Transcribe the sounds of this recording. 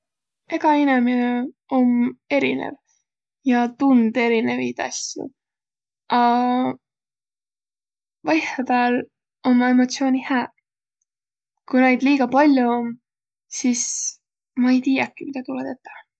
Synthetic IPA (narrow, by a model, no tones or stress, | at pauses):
e̞ɡ̥ɑinemine | o̞me̞ɾḭnḛv | jɑt̪und̪e̞ɾine̞vit̪ɑ̰sjṵ | ɑ | vɑjhɑpæːl | o̞mːɑe̞mo̞t̪sio̞ːnʲihæː | kune̞jd̪̥liːɡ̥ɑpɑlʲjuom | sis | mɑe̞jt̪iːjɑkːˑimid̪ɑt̪uled̪et̪ːˑe